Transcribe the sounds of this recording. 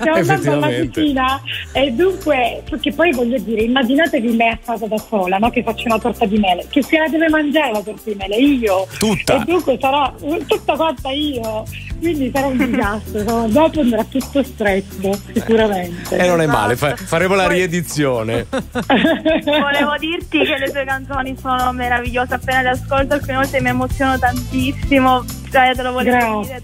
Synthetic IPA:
eand̪at̪lːakit͡ʃiːnaed̪ːuŋkweperkepːɔjvɔʎːod̪iːɾeimːad͡ʒinaːt̪ekimːɛakːaːzad̪asoːlanɔk̟efːat͡ʃːaunat̪ɔrt̪ad̪imɛːlekesialad̪ɛːvemand͡ʒaːɾelat̪ɔrt̪ad̪imɛːleiːot̪ut̪ːed̪ːuŋkwesaɾat̪ut̪ːakwant̪aiːokwind̪isaɾaund̪izast̪ɾosonod̪ɔpoand̪əɾat̪ːut̪ːost̪ɾɛt̪ːosikuɾament̪ḛnonɛmːa̰ːlefafaɾeːmolaɾied̪it̪sːjoːne | voleːvod̪irt̪ikelːet̪uːekant̪soːnisoːnomeɾaviʎːoːzeapːeːnad̪iaskolt̪oalkunevɔlt̪emiemot̪sːjoːnot̪ant̪isːimo | t͡ʃajat̪elovolɡɾae

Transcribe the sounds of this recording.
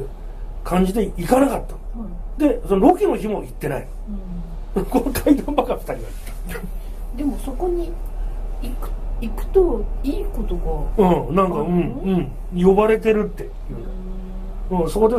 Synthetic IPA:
kʰãɲ̟d͡ʑid̪e̞ikanakat̪ːad̪e̞sonoɾokʲino̞çimo̞it̪ːe̞nai | konot̪ʰaid̪ãmbaɡapi̥t̪aɾʲiβait̪ːḁ | d̪e̞mo̞so̞koɲ̟i | ikɯ̥ikɯ̟̥t̪oiːkot̪oɡaɯ̃ːnãŋkaɯ̟̃ɴɯ̟̃ɴ | jo̞baɾe̞t̪e̞ɾɯ̟t̪ːe̞jɯːnd̪a | ɯ̃ːso̞ko̞d̪e

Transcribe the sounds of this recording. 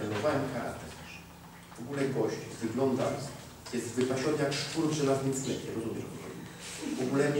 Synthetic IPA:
ɾɛnɔvawɛmkaɾa̰t̪ɛɾ | v̥ɔɡulɛɡɔɕt͡ɕvɘɡlɔnd̪a | jɛst̪vɘpaɕɔnɘjakʂt̪uɾbʐɛnasɲit̪sɲʲɛvɲɛɾɔzumʲɛʐɔ̰vɔ̰ḭvɔɡulɛm

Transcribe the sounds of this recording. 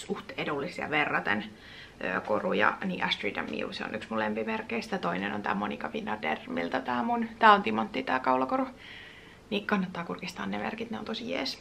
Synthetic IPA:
suht̪edulːisjɑ̰ʋerːɑt̪ḛn | ø̰korujɑ̰niːʔæst̪ridɑ̰mːḭṵseo̰nʔyksmulempimerkːeisi̥t̪æt̪oineno̰nt̪æ̰ːmonikɑʋinːɑd̪ermḭlt̪ɑt̪æːmunt̪æːont̪imont̪ːiːt̪æːkɑulɑkoru | nikɑnːɑt̪ːɑːkurkist̪ɑ̰ːnnemerkit̪neont̪osijḛːs

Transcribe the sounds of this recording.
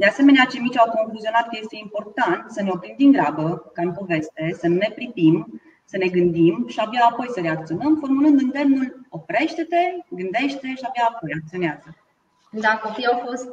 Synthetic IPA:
d̪e̞ase̞me̞neat͡ʃe̞mit͡ʃʲawko̞nfuzio̞nat̪̚kəje̞st̪eimpo̞rt̪ant̪səne̞o̞pɾimd̪iŋɡɾabəkampo̞ve̞st̪e̞sənune̞pɾit̪im | səne̞ɡɨnd̪imʃiabjaːpo̞jsəɾe̞ak̚t̪sio̞nəmfo̞rmulɨnd̪ɨnd̪e̞mnulo̞pɾe̞ʃt̪e̞t̪e̞ɡɨnd̪e̞ʃt̪t̪e̞ʃiabjaːpo̞jak̚t̪sio̞neazə | d̪ako̞pijawfo̞st̪

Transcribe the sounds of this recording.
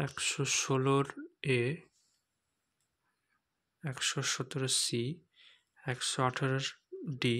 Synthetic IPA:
ɛkʃoʃoloɾe | ɛkʃoʃɔt̪oɾosi | ɛkʃoaʈʰaɾoɾɖi

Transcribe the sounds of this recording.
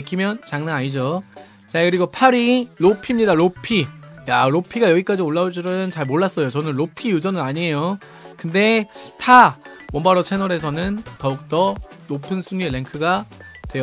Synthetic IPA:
ekʰimjʌnt͡ɕaŋnaaɲid͡ʑo | t͡ɕakɯɾiɡopʰaɾiɾopʰimɲidaɾopʰijaɾopʰiɡajʌɡik͈ad͡ʑioɭːaod͡ʑiɾɯɯnt͡ɕaɭmoɭːas͈ʌjot͡ɕʌnɯnɾopʰijud͡ʑʌnɯnaɲie̞jo | kɯnde̞tʰawʌmbaɾot͡ɕʰe̞nʌɾe̞sʰʌnɯntʌuk̚t͈ʌnopʰɯnsʰuŋɲieɭːe̞ŋkʰɯɡa | twe̞jo

